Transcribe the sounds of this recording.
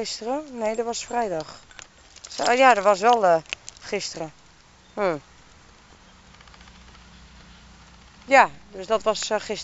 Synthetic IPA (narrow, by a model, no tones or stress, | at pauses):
ɪstərənejdɔʋɔsfrɛjdɔx | sjadɔʋɔs̬ʋɛlˠχɪstərə | m̩ | jadøsdɔtʋɔsxɪs